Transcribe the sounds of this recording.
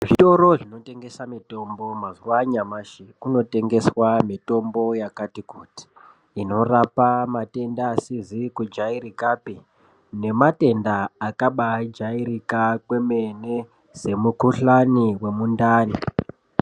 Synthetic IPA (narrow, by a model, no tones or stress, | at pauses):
ʐito̞ɾo̞ʐino̞te̞ŋɡe̞samito̞mbo̞mazuwaɲamaʃikuno̞te̞ŋɡe̞swamito̞mbo̞jakatikuːti̥ː | no̞rapamate̞ndaːsizikud͡ʒaiɾikapi | ne̞mate̞ndaːkaɓad͡ʒaiɾikakwe̞me̞ne̞ | se̞mukuɬaniwe̞mundaːni